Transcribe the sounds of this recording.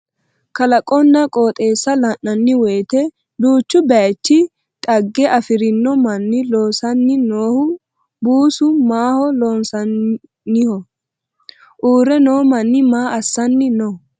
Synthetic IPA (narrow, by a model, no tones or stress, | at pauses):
kɐlɐkʼɔnːɐkʼo̞ːt̪ʼe̞ːsːɐlɐnːɐnːɪweːt̪ɛ | d̪uːt͡ʃːʊbɛt͡ʃːɪ | t̪ʼɐɡːɛʔɐfɪɾɪnːɔmɐnːɪloːsɐnːɪnoːhʊ | buːsʊmaːhɔlo̞ːnsɐnː | ɪhɔ | ʔuːɾɛnoːmɐnːɪmaːʔɐsːɐnːɪnɔ